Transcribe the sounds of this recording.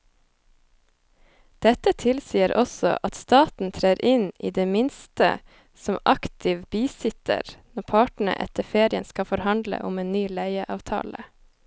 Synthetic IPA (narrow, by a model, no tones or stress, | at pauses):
d̪̥ɛt̪ət̪ʰɪlsiːəɾʔɔsɔ̰ʔɑt̪st̪ɑːt̪n̩t̪ʰɾeːɾʔɪnḭːd̪eːmɪnst̪ə̰ | sɔmʔɑkt̪ʰɪʋbiːsɪt̪ʰə̰ɾnɔɾpʰɑːʈɳ̩ə̰ʔɛ̰t̪əfeːɾɪə̰nskɑfɔɾhɑnd̪lə̰ʔʊmeːnnyːlæɪəʔɑ̰ːʋt̪ʰɑ̰ːlə